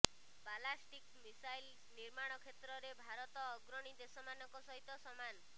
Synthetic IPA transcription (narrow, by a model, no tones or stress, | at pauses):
balasʈikmisajl | niɾmaɽ̃ɔkʰet̪ɾɔɾebʱaɾɔt̪ɔːɡɾɔɽ̃id̪esɔmanɔkɔsɔɦit̪ɔsɔman